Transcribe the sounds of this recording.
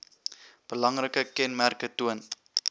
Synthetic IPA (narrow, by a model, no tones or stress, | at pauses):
b̥əlɐŋrəkəkɛnmærkətuən